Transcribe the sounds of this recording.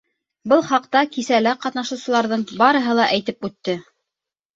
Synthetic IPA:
bɤlˠχɑq̚t̪ɑkisælæqɑt̪nɑʃŭwsɤ̆lˠɑɾðɤɴbɑɾɤ̆ɦɤlˠɑʔæjt̪ɘpʉt̪ːɘ

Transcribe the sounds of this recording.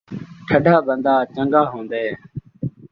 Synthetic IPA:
ʈʰəɖʱaːbənd̪aːt͡ʃəŋɡaːɦõːnd̪eː

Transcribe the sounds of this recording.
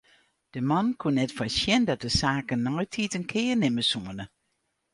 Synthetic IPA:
d̥əmɑnkʰunɛtfɔsjɛndɑt̚dəsaːkənːɔɥtʰitənkʰɪːɹnɪməsuənə

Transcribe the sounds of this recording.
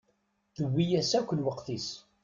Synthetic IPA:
θəwːijæsækʷːəlwəqθis

